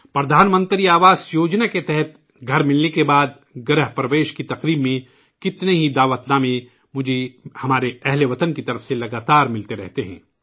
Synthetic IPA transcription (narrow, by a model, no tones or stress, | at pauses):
pɾɐd̪ʱaːnmə̃nt̪ɾiaːʋaːzjoːd͡ʒnaket̪ɛɦɛt̪̚ | ɡʱɐɾmɪlnekebaːd̪̚ | ɡɾəɦpɾɐʋeːʃkit̪ɐqɾiːbmẽ | kɪt̪neɦid̪aːʋət̪naːmẽ | mʊd͡ʒʱehɐmaːɾeɛɦleʋɐt̪ənkit̪ɐɾəfselɐɡaːt̪aːɾmɪlt̪eɾɛɦt̪eɦɛ̰̃ː